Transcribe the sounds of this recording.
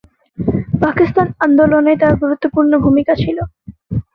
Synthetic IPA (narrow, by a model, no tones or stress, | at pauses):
pakist̪anand̪olonet̪aɾɡuɾut̪ːopuɾnobʱumikat͡ɕʰilo